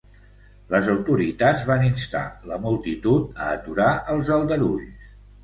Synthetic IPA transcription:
ləzəwt̪uɾit̪add͡zβaninst̪a̰ləmulˠt̪it̪ut̪̚əːt̪uɾaʔəlˠzəlˠd̪əɾṵʎs

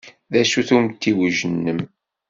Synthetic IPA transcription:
ðæʃuθumt̪ːiwəʒənːəm

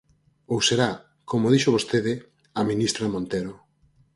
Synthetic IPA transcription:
owseɾa | komoðiʃoβost̪eðɪ | amĩnist̪ɾamõnt̪eɾo

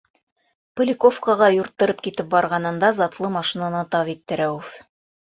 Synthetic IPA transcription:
pŏlʲɪkofkɑʁɑjuɾt̪ːɤ̆ɾɤp̚kit̪ɘp̚bɑɾʁɑnɤ̆nd̪ɑzɑt̪lˠɤmɑʃinanɤt̪ɑvit̪ːɘ̆ɾæwɘf

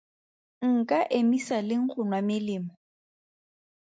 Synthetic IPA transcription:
ŋ̩kʼaʔemisalɪŋ̩χʰʊnwamɪlɪːmʊ

